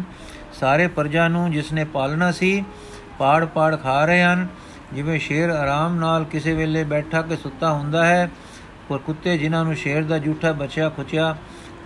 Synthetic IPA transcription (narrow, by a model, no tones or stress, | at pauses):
saːɾeːpəɾd͡ʒãːnũːd͡ʒɪsneːpaːlnaːsiː | paːɽpaːɽkʰaːɾəɦeːɦən | d͡ʒɪʋẽːʃeːɾaːɾaːmnaːlkɪseːʋeːleːbɛːʈʰaːk̬esʊt̪ːaːɦʊ̃nd̪aːɦɛː | poːɾkʊt̪ːeːd͡ʒɪnãːnũːʃeːɾd̪aːd͡ʒuːʈʰaːbət͡ʃjaːkʰʊt͡ʃɪjaː